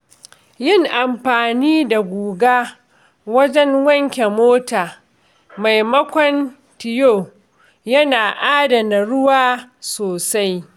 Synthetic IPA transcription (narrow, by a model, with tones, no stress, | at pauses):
jɪ˦˨ŋʔa˨mɸaː˨niː˦da˨ɡʷuː˨ɡaː˦ | wɐ˦d͡ʒɛ˦ŋwɐ˦ŋkʲe˨moː˦taː˨ | ma˨jmɐ˦kʷɔ˦n | tɪ˨joː˦˨ | jɐ˦naː˨ʔaː˦dɐ˨na˨ɽʊ˦waː˦soː˨sa˦j